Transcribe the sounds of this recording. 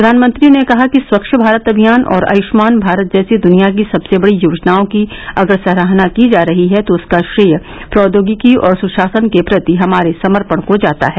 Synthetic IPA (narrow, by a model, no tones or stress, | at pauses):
pɾɐd̪ʱaːnmə̃nt̪ɾinekɐɦakiswɐkʃəbʱaːɾət̪ɐbʱijaːnʔɔ̰ːɾɐ̰jʊʃmaːnbʱaːɾət̪̚d͡ʒɛːsed̪ʊnijak̬isɐbsebɐɽijoːd͡ʒnaːõkiɐɡəɾsɐɾəɦnakid͡ʒaːɾɐɦiɦɛt̪oʊskaʃɾiːjə | pɾɔːd̪oːɡikiɔːɾsʊʃaːsənkepɾɐt̪iɦɐmaːɾesɐməɾpəɳ̃kod͡ʒaːt̪a̰ɦɛː